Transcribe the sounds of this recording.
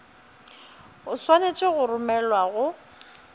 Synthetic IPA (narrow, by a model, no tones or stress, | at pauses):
ʊswanet͡ʃʼɪɣʊrʊmɛlwaɣʊ